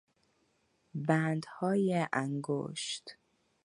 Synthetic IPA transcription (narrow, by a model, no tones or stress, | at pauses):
bænd̪hɒːjeʔæŋɡo̰ːʃt̪